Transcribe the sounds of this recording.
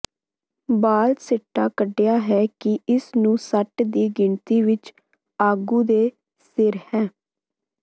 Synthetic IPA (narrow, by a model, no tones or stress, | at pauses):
baːlsɪʈːaːkəɖejaːɦɛːkɪɪsnũːsəʈd̪iːɡɪɳt̪iːʋɪt͡ʃ | aːɡũːd̪eː | sɪɾhɛ̃ː